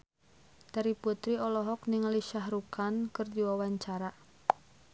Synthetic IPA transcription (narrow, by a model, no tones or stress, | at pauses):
d̪̥aɾiput̪ɾiɔlɔɦɔk̚nɪŋliʃahɾukankərd̪iwawaɲt͡ʃaɾa